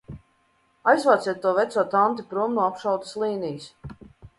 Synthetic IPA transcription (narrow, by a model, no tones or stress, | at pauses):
ajzvaːt̪siɛt̪̚ːuɔvɛt̪suɔt̪ant̪ipɾuɔmnuːapʃawt̪ə̥slˠiːnijus